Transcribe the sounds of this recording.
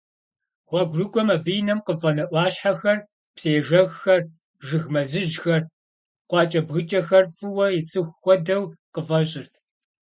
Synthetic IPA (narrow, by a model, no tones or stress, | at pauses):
χʷɔɡʷrɨkʷʼɔmabijnɐmqəfʼɐnɐʔʷɑːɕħaxɐr | pseːʒɐɣxɐr | ʒɨɣmɐzɨʒxɐr | qʷɑːt͡ʃʼɐbɣɨt͡ʃʼɐxɐrfʼɨwɐjɪt͡sʼɨxʷxʷɔdɐwqəvɐɕʼɪrtʰ